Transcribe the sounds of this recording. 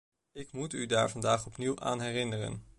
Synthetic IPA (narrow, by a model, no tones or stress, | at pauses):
ɪkmutydaːɹvɑndaːχɔpniwʔa̰ːnɦɛrɪnərə̰n